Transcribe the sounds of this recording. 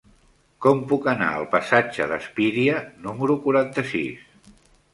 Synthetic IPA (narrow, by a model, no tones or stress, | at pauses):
kɔmpukəna̰ə̰lˠpəsad͡ʒəðəspiɾiənuməɾukuɾant̪əsḭs